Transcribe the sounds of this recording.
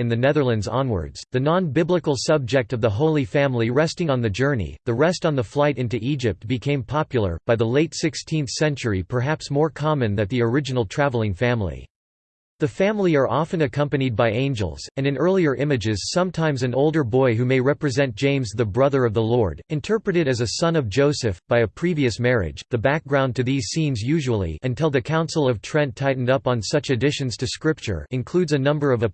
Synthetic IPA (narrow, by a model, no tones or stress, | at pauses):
ɨ̃nðɨnɛðə˞lˠɨ̃ndzɑ̰̃nwə̰˞dz̥ðɨnɑ̃nbɪbləkl̩ˠsʌb̚d͡ʒɛk̚tʌvðəɦoʊlˠifæ̃mliɹɛstɪ̃ŋə̃nðɨd͡ʒɜ˞nḭðɨɹɛstn̩ðəflaɪɾɪ̃ntʉʔid͡ʒɨp̚t̚b̥ɨkʰẽɪ̃mpʰɑpjl̩ˠə̰˞b̥aɪðəleɪtsɪkstʰĩnθsɛ̃nt͡ʃə˞ipʰə˞ɦæpsmɔɹkʰɑmɨ̃nðɨ̃t̪̚ðiə˞ɪd͡ʒɨnl̩ˠtʰɹ̥ævl̩ˠɪ̃ŋfæ̃mlḭ | ðɨfæ̃mlˠiə˞ʔɑfɨ̃nɨkʰʌ̃mpɨnid̚baɪẽɪ̃nd͡ʒə̰l̩ˠz̥ɨ̃nɨ̃nɜ˞lˠiə˞ʔɪ̃mɨd͡ʒɪz̥sʌ̃mtʰãɪ̃mzɨ̃noʊlˠdə˞bɔɪɦʉmeɪɹɛpɹɨzɛ̃n̚d̥ʒ̥ẽɪ̃mzðɨbɹʌðə˞ʌvðəlɔɹɾɨ̃ntʰɜ˞pɹɨɾɨɾɨzɨsʌ̃nʌvd͡ʒoʊsɨfb̥aɪɨpʰɹ̥iviɨsmɛɹɪ̰̥d͡ʒðɨbæk̚ɡ̥ɹãʊ̃ntʰɨðiz̥sĩnzjʉʒəəl̩ˠḭɨ̃ntʰɪlˠðɨkʰãʊ̃nsl̩ˠʌv̥tʰɹ̥ɛ̃ntʰaɪʔn̩dʌpn̩sʌt͡ʃɨdɪʃɨ̃nz̥tʰɨskɹɪp̚t͡ʃə̰˞ɨ̃nkʰl̥ʉdzɨnʌ̃mbə˞ʌvɨ